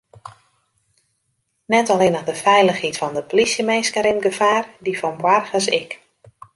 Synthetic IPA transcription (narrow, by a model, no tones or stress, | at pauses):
nɛtɔlɪnədəfɛjləxhitfɔndəpolisjəmeːskəɾɪnɡəfaːrdifɔnbwarxəsɪk